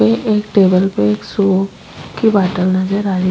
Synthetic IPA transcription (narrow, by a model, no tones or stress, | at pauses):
ẽʔeːk̚ʈeːbəlpeeːkso | kibaːʈəlnɐd͡ʒəɾaːɾi